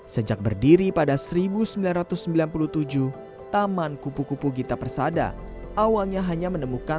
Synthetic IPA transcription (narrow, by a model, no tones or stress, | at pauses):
səd͡ʒak̚bərdiɾipadasəɾibusəmbilanrɾat̪ʊsːəmbilanpuluht̪ud͡ʒuh | t̪amankupukupuɡit̪apərsada̰ | ʔawalɲaɦaɲamənəmuka